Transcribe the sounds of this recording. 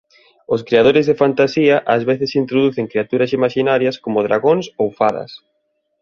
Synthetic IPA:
ʊskɾeað̞oɾɪzðɪfant̪asiɐʔazβeθɪsint̪ɾoðuθeŋkɾiat̪uɾɐsimaʃinaɾjɐskomʊðɾaɣonsowfaðɐ̰s

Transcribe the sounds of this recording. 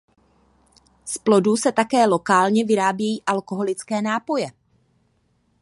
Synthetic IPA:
splo̞dusɛt̪akɛːlo̞kaːlɲɛvɪɾaːbjɛjiːʔalko̞ɦo̞lɪt͡skɛːnaːpo̞jɛ

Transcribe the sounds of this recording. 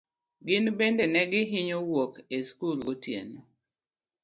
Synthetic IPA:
ɡɪnbendenɛɡɪɦɪɲowokeskulɡotjḛn

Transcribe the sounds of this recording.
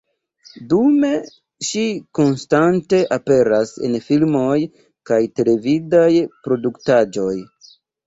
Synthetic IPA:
dume̞ | ʃiko̞nstante̞ʔape̞ɾase̞̰nfilmo̞j | kajte̞le̞vidajpɾo̞duktad͡ʒo̞j

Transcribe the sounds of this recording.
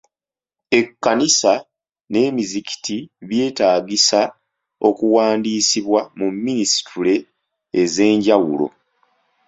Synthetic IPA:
e̞kːanisa | ne̞ːmizici̥tiβje̞ːtaːɡisa | o̞kuwaːndiːsiβwamumːinisi̥tʰule̞ː | ze̞ːɲɟawṵlo̞̰

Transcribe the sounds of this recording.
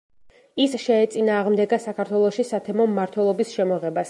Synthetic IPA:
isʃɛːt̪sʼinaːʁmd̪ɛɡasakʰaɾt̪ʰwɛlˠɔʃisat̪ʰɛmɔmːaɾt̪ʰwɛlˠɔbisʃɛmɔʁɛbas

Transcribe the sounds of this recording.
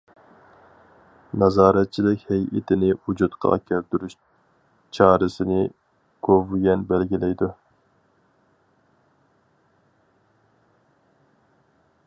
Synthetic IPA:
nɑzɑːɾɛt̪̚t͡ʃʰilɪkʲhɛjʔɪt̪ʰɪnɪud͡ʒut̪qʰɑ̰kʲʰɛɾt̪yɾyʃ | t͡ʃʰɑːɾɨsɪnɪ | ɡ̥ʰovuɡʲɛnbɛlɡʲilɛjd̪u

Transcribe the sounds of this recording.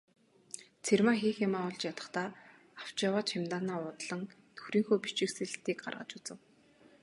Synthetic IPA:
t͡sʰermaːxiːxamaːʊɮt͡ɕjat̪ə̆χt̪aː | aw̥t͡ɕawaːt͡ɕxamt̪aːnaːʊːt̪ɮə̆ŋt̪ʰɵ̥xɾiːŋxoːpit͡ɕɪ̆ksĕɮt̪iːk̚ɢa̰rʁə̰̆t͡ɕut͡sɘ̆w

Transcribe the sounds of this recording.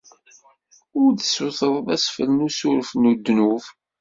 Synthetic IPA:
ʊɾðəsʊθəðˤðˤæsfəlnusʊɾfnud̪ːnuv

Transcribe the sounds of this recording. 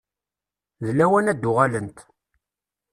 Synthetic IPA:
ðlːæwænæd̪ːʊʁalənt̪

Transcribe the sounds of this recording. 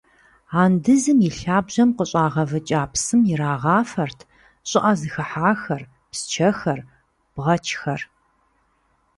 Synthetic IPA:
aːndɨzɨmjiɬaːbʑɐmqəɕʼaːʁɐvɨt͡ʃʼaːpʰsɨmjɪɾaːʁɑːfɐrtʰ | ɕʼɪʔɐzɨxɐħaːxɐr | pst͡ʃʰɐxɐr | b̥ʁɐt͡ʃʰʼxɐr

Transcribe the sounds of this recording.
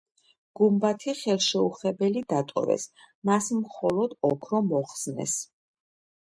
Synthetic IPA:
ɡ̥umbat̪ʰiχɛlˠʃɛuχɛbɛlid̪at̪ʼɔ̰ɾɛ̰s | masmχɔlɔd̪ɔkʰɾɔmɔχsnɛ̰s

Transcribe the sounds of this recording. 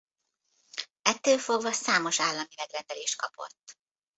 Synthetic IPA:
ɛt̪ːøːlfo̞ɡvɒsaːmo̞ʃaːlːɒmivɛd̪rɛnd̪ɛleːʃt̪̚kɒpo̞̰t̪ː

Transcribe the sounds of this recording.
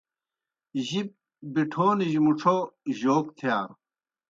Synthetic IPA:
ʑib̚ | biʈʰoːniʑmuʈ͡ʂʰoʑoːkt̪ʰijaːɾ

